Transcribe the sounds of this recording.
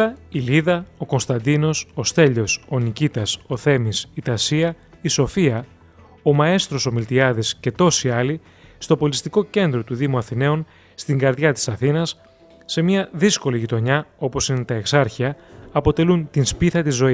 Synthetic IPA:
ɐiliðɐo̞ko̞nst̪ɐnd̪ino̞sost̪e̞ʎo̞so̞nicit̪ɐso̞θe̞misit̪ɐsiɐ | iso̞fiɐ | o̞mɐe̞st̪ɾo̞so̞milt̪iɐðisce̞t̪o̞siɐli | st̪o̞po̞list̪iko̞ce̞nd̪ɾo̞t̪uðimuɐθine̞on | st̪iŋɡɐɾðʝɐt̪i̥sɐθinɐsː | e̞miɐðisko̞liʝit̪o̞ɲɐo̞po̞sinet̪ɐe̞ksɐɾçiɐːpo̞t̪e̞lunt̪inspiθɐt̪izo̞i

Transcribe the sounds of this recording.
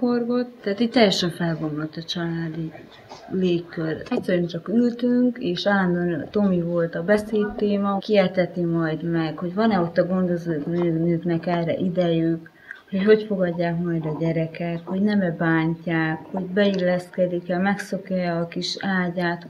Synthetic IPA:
o̞rɡo̞t̪ːɛɦat̪it̚t̪ːɛjːɛʃɛɱfɛlɡo̞mlot̪ːɒt͡ʃɒlaːd̪i | leːkːørɛcsɛɾont͡ʃɒkylt̪yŋkeːʃaand̪ont̪o̞mivo̞lt̪ɒbɛseːt̪ːeːmɒkiɛt̪ɛt̪imɒjd̪mɛkho̞ɟvɒnɛo̞t̪ːɒɡo̞nd̪o̞zoːnøːnøːknɛkɛːrɛ̰ʔid̪ɛjyk | ho̞cho̞cfo̞ɡɒɟːaːkmɒjd̪ɒɟɛɾɛkɛk̪ho̞ɟnɛmɛbaːɲcaːkho̞ɟbɛilːɛskɛd̪ikɛlmɛkso̞kjɔjːkiʃaːɟaːt̪

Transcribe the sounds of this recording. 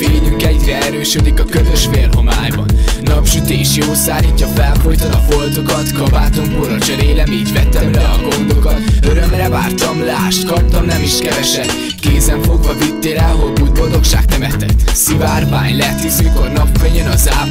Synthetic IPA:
eːɲyŋkɛɟrɛɛɾøːʃød̪ikɒkøzøʃfeːlɦo̞ma̰ːjbɒ̰nːɒpʃyt̪eːʃjoːsaːliːcːɒfɛlfo̞jt̪onɒbo̞ld̪o̞ɡɒt̪kɒbaːt̪o̞mkoɾɒt͡ʃɛɾeːlɛmiːɟʋɛt̪ɛmɾɛɒɡo̞nd̪o̞kɒt̪øɾø̞mrɛvaːrt̪ɒmlaːʃt̪kɒp̚t̪ɒmnɛmiʃkɛvɛʃɛd̪ | keːzɛɱfo̞ɡvɒvit̪ːeːlɛlɦo̞buːjbold̪o̞kʃa̰ːk̚t̪ɛmɛt̪ɛt̪sivaːrmaːɲlɛt̪izøːko̞rnɒpfɛɲønɒzaː

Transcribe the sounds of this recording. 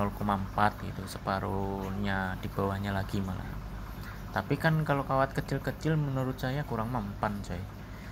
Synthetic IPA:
ɔlkumampat̪̚ɡit̪usəpaɾuɲad̥ib̥awahɲalaɡ̥imala̰ | t̪apikankalokawat̪̚kət͡ʃɪlkət͡ʃɪlmənuɾʊt̪̚sajakuɾaŋmampansaja

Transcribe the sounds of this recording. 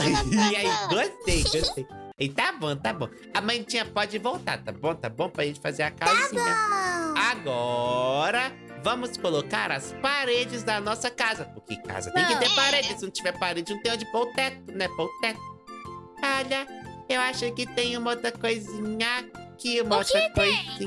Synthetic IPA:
aiɡost̪ejɡost̪ejit̪abõt̪abõ | ɐmɐ̃j̃t͡ʃĩɲɐpɔd͡ʒɪvowt̪a̰t̪a̰bõw̃t̪abõpɾɐʒẽnt͡ʃɪfazeɾɐkazssĩɐaɡɔɾɐ | vɐ̃mʊskolokaɾɐspaɾed͡ʒɪzd̪ɐnɔsɐkazɐpʊɾkɪka̰zɐt̪ẽj̃kɪt̪eɾpaɾed͡ʒɪsɪnɐ̃t͡ʃivɛɾpaɾed͡ʒɪznũt̪ẽj̃ɐ̃d͡ʒɪpowt̪ɛt̪ʊnɛpot̪ɛt̪ʊ̥ | aʎɐewaʃejkɪt̪ẽj̃ũmɐot̪ɾɐkojzĩɲɐakiũmɐot̪ɾɐkojzĩ

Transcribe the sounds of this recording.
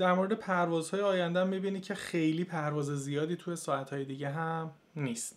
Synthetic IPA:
d̪æɾmoɾed̪epʰæɾvɒːzhɒːjeɒːjænd̪æmːibiːnicʰe̞xe̞jliːpʰæɾvɒːzezijɒːd̪iːt̪ʰuje̞sɒːæt̪hɒːje̞d̪iːɟeɦæm | niːst̪

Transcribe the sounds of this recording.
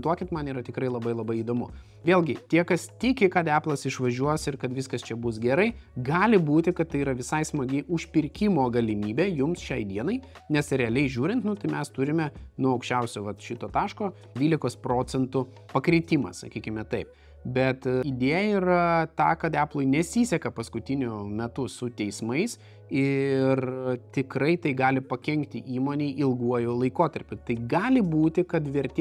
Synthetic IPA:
t̪uɔkʲɪt̪mɐniːɾɐtʲɪkɾɐɪlˠɐbɐɪlˠɐbɐɪid̪oːmʊ̰ | ʋʲeːlʲˠɡʲɪt̪ʲiɛkɐst̪ʲɪkʲɪkɐt̪æːplˠɐsɪʃʋɐʒʲuɔsɪɾkɐt̪ʋʲɪskɐst͡ʃʲɛbʊsɡʲɛɾɐɪɡɑːlʲɪbuːt̪ʲɪkɐt̪t̪ːɐɪiːɾɐʋʲɪsɐɪsmɐɡʲɪʊʃʲpʲɪɾʲkʲɪmoːɡɐlʲɪmʲiːbʲeːjʊmsʃʲɛɪd̪ʲiɛnɐɪ | nʲɛsɾʲɛɐlʲɛɪʒʲuːɾʲɪnt̪nʊt̪ɐɪmʲɛst̪ʊɾʲɪmʲɛnuɔɐʊkʃʲt͡ʃʲɛʊsʲoːʋɐt̪ʃʲɪt̪oːt̪ɑːʃkoː | dʲʋʲiːlʲɪkoːspɾoːt͡sʲɛnt̪ʊ | pɐkɾʲɪt̪ʲimɐ̰sɐ̰kʲiːkʲɪmʲɛt̪ɐɪp̚ | bʲɛt̪id̪ʲeːjɛiːrɐt̪ɑːkɐt̪æːplˠoɪnʲɛsʲiːsʲɛkɐpɐskʊt̪ʲɪnʲʊmʲɛt̪ʊsʊt̪ʲɛɪsmɐɪs | ɪrt̪ʲɪkɾɐɪt̪ɐɪɡɑːlʲɪpɐkʲɛŋʲkt̪ʲɪʔiːmoːnʲeːʔɪlˠɡuɔjoːlˠɐɪkoːt̪ɐɾʲpʲʊt̪ɐɪɡɑːlʲɪbuːt̪ʲɪkɐt̪ʋʲɛɾʲt̪ʲː

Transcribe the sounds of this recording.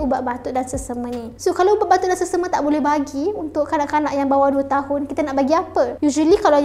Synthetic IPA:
ubaʔbat̪uʔdansəsəmənisokaloubaʔbat̪ʊʔdansəsəmət̪aʔbolɛhbaɡiunt̪ʊʔkanaʔkanaʔjaŋbawaduət̪aɦʊnkit̪anaʔbaɡiapəjud͡ʒəlikalo

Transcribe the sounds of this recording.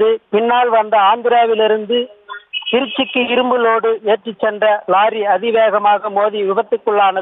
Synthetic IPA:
ðɯpɪnːaːlʋɐnd̪ɐaːnd̪ɪɾaːʋɪlɪɾɯnd̪ɯt̪ɪɾɪt͡ʃːɪkːɯɪɾɯmbɯloːɽɯeːʈrit͡ʃːɛndrɐlaːɾiɐðɪʋeːɣɐmaːɣɐmoːðiʋɪʋɐt̪ːɯkːɯɭːaːnɐ

